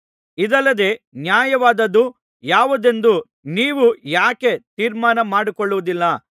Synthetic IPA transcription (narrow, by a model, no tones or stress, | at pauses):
id̪ɐlːɐd̪e̞ːnjaːjɐʋaːd̪ɐd̪u | jaːʋud̪e̞nd̪u | niːʋujaːke̞t̪iːɾmaːnɐmaːɽikɔɭːuʋud̪ilːɐ